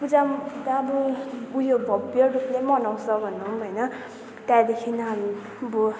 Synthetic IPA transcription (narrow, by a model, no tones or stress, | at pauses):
pud͡zamkit̪aːbʌujobʱʌbjʌruplemʌnaw̃sʌbʱʌnːumɦʌjnʌ | t̪jãd̪ekʰinɦami | bo